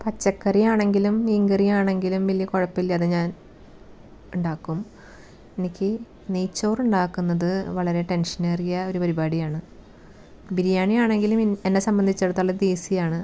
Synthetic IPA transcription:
pɐt͡ɕːɐkːɐrijaːɳe̞ŋɡilumːiːŋɡɐrijaːɳe̞ŋɡilumʋɐlːijɐkoɻɐpːilːɐɐðɨɲaːn | uɳɖaːkːum | e̞nikʲːɨ | neːt͡ɕːo̞ːruɳɖaːkːunːɐðɨʋɐɭɐɾe̞ʈe̞nʂɐneːrijɐo̞ɾupɐɾibaːɽijaːɳɨ | biɾijaːɳijaːɳe̞ŋɡilumenːe̞sɐmbɐnd̪ʱit͡ɕːɐeɽut̪ːɐɭːɐd̪eːsijaːɳɨ

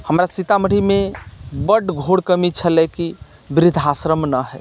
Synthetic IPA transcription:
həmɾasit̪aməɽ̤imebəɖɡʱoɽkəmit͡ʃʰəlɛki | bɾɪd̪ʱasɾəmnəɦɛ

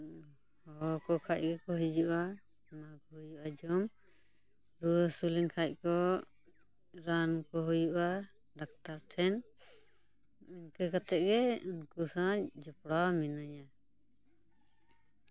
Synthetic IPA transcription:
hɔkɔkʰac̚ɡɛkɔɦid͡ʒuʔa | makɔhujuʔad͡ʒɔm | ɾuəsulinkʰac̚ˀkɔ | ɾankɔɦujuʔa | ɖak̚t̪aɾʈʰɛn | uɲkɛkat̪ɛʔ̚ɡɛunkusad͡ʒɔpɽaminaja

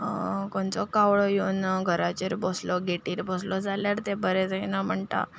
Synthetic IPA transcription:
koɳt͡sɔkaʋɭɔjenɡʱəɾat͡ɕeɾbɔslɔɡʱeʈiːɾbɔslɔd͡zaljaɾt̪ebəɾɛ̃d͡zenam̤əɳt̪a̰

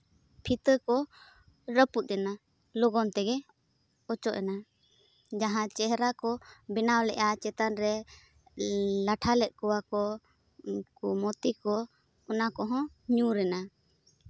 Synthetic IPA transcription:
pʰit̪əkɔ | ɾəput̪̚ˀɾɛna | lɔɡɔnt̪ɛɡɛ | ɔt͡ʃɔʔɛna | d͡ʒaɦãt͡ʃɛɦɾakɔbinawlɛ̰ʔat͡ʃɛt̪anɾɛ | laʈʰalɛʔ̪̚kɔwakɔ | kumɔt̪ikɔ | ɔnakɔɦɔ̃ | ɲũɾɛna

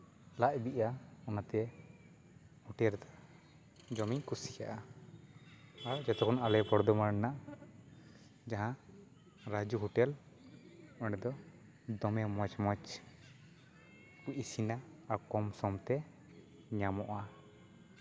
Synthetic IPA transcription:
laʔbiʔaɔnat̪ɛ | huʈɛɾt̪a | d͡ʒɔmiɲkusija̰ʔa | aɾd͡ʒɛt̪ɛkɔnalɛpɔɾd̪ɔmaɽnaʔ | d͡ʒaɦã | ɾad͡ʒuɦuʈɛl | ɔɖɛd̪ɔ | d̪ɔmɛmɔt͡ʃmat͡ʃ | kuʔisinaːɾkɔmsɔmt̪ɛ | ɲamɔʔa

